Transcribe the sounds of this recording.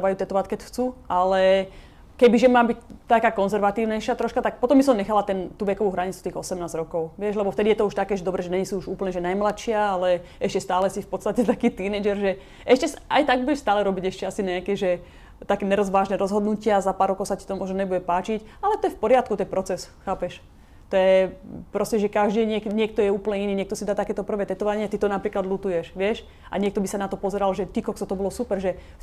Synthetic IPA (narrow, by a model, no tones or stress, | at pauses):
ʋajuːt̪ɛt̪ɔʋackɛcxt͡sualɛ | kɛbiʒɛmaːbict̪ːakaːkɔnzɛɾʋat̪iːʊnɛjʃɪat̪ɾɔʃkat̪ak̚pɔt̪ɔmbisɔmɲɛxalat̪ɛnt̪uːʋɛkɔʋuːɦɾaɲit͡su̥t̪iːɣɔsɛmnaːzɾɔkɔʊʋɪɛʒlɛbɔft̪ɛd̪ijɛt̪ɔuʃt̪akɛːʒɛd̪ɔbɾɛːʒɛnɛɲisuuʒuːpl̩ɲɛʒɛnajmlat̪ʃɪaalɛ | ɛʃcɛst̪aːlɛsifpɔt̪st̪acɛt̪akiːt̪iːnɛjd͡ʒɛɾʒɛ | ʔɛʃcɛsa̰jt̪aɡ̚buɟɛʃst̪aːlɛɾɔbiɟɛʃcɛasiɲɛakɛʒɛ | t̪akɛːnɛɾɔzʋaːʒnɛːɾɔzɦɔd̪nucɪazapaːɾɔkɔʊsaci̥t̪ɔmʊɔʒnɔɲɛbuɟɛpaːt͡ʃic | alɛt̪ɔjɛfpɔɾɪat̪kut̪ɛnpɾɔt͡sɛsxaːpɛʃ | t̪ɔjɛpɾɔscɛʒɛkaʒd̪iːɲɛkɲɪɛk̚t̪ɔjɛuːpl̩ɲɛiniːɲɪɛkt̪ɔsid̪aːt̪akɛːt̪ɔpr̩ʋɛːt̪ɛt̪ɔʋaɲɪɛt̪it̪ɔnapɾiːklad̪lut̪ujɛʃʋɪɛʃ | ʔa̰ɲɪɛk̚t̪ɔbisanat̪ɔpɔzɛɾalʒɛt̪ikɔksɔt̪ɔbɔlɔsupɛɾʒɛ